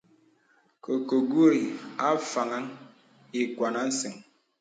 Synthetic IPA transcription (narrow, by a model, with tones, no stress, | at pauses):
ko˨ko˨ɡu˦ɾi˨a˦fa˨ŋa˦ŋ | i˨kwa˨na˦n̩˦se˨ŋ